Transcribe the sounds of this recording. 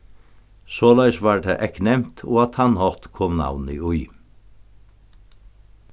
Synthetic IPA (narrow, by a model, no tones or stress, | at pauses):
sɔːlæɪsʋaɹd̪ʰæʔɛknɛm̥t̪ʰɔːat̪hɑnhɔt̪kʰɔːmna̰wnɪ̰ʊʏ